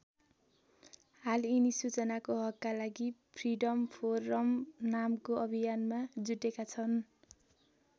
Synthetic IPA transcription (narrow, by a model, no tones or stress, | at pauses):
halinisut͡sʌnakoɦʌkːalaɡipʰriɖʌmpʰorːʌmnamkoʌbʱijanmad͡zuʈekat͡sʰʌn